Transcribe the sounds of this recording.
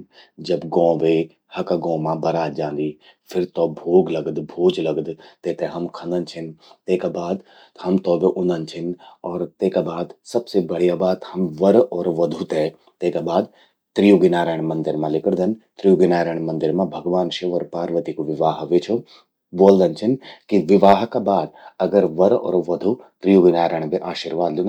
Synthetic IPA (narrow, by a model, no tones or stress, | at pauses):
d͡ʒɐbɡɔ̃ːʋe | hɐkaɡɔ̃ːmãbɐɾaːd͡ʒãːnd̪i | pʰɪɾt̪ɔːbʱoːɡlɐɡd̪bʱoːd͡ʒlɐɡd̪t̪et̪ɛ̃ɦɐmkʰɐ̃nd̪ənt͡ʃʰɪnt̪eːkabaːd̪ | hɐmt̪ɔːbeʔʊ̃nd̪ənt͡ʃʰɪnɔːɾt̪eːkabaːd̪sɐbsebɐɽ̤ijabaːd̪hɐmʋɐɾɔːɾʋɐd̪ʱut̪ɛ | t̪eːkabaːd̪ | t̪ɾijuɡɪnaːɾəɳ̃mɐ̃nd̪ɪɾmãlɪkɽd̪ɐnt̪ɾijuɡɪnaːɾəɳ̃mɐ̃nd̪ɪɾmãbʱɐɡʋaːnʃeʋəɾpaːɾʋət̪ikoʋɪʋaːɦʋet͡ʃʰo | boːld̪ɐnt͡ʃʰinkiʋɪʋaːɦkabaːd̪ɐɡəɾʋɐɾɔ̰ːɾʋɐd̪ʱut̪ɾijuɡɪnaːɾəɳ̃beʔaːʃiɾʋaːd̪lũŋ